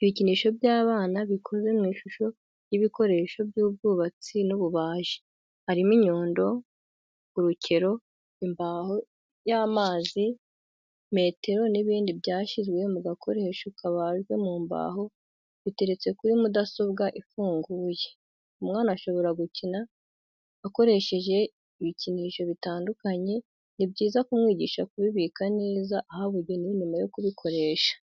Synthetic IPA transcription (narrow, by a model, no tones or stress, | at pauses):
iβiciniːʃo̞bjaːβaːnaβikʰo̞ze̞mŋiːʃuʃo̞ | jiβiko̞ɾe̞ːʃo̞bjuːbɡuːβat͡sinuβuβaːʒi̥ | haɾimiɲo̞ːndo̞ | uɾucʰe̞ɾo̞ | imbaho̞ | jaːmaːzi | me̞ːte̞ɾo̞niβiːndibjaːʃizɡwe̞muɡakʰo̞ɾe̞ːʃokaβaʒɡwe̞muːmba̰ːɦo̞ | βite̞ɾe̞t͡se̞kuɾimudaso̞βɡaʔifuːŋɡuːje̞̥ | umŋaːnaʃo̞βo̞ɾaɡucina | ako̞ɾe̞ʃe̞ʒe̞ | iβiciniʃo̞βitaːndukaɲe̞ | nibɟiːzakumŋiːɟiːʃakuβiβiːkane̞ːzaʔahaβuɾɟo̞ninimajo̞kuβikʰo̞ɾe̞ːʃḁ